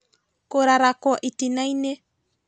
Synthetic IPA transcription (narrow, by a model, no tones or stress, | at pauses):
koɾaɾakɔʔitinaine